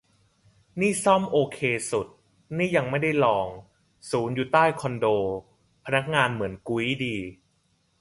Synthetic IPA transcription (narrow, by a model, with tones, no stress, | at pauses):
niː˥˩sɔ˥˩mʔoː˧kʰeː˧su˨˩t̪̚ | niː˥˩ja˧ŋma˥˩jda˥˩jlɔː˧ŋ | suː˩˦njuː˨˩t̪aː˥˩jkʰɔ˧ndoː˧ | pʰa˧na˦˥k̚ŋaː˧nmɯ˩˦ənku˧i˦˥diː˧